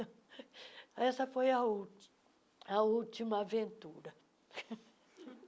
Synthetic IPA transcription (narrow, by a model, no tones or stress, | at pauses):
ɛsɐfojɐu | ɐut͡ʃimɐavẽnt̪uɾɐ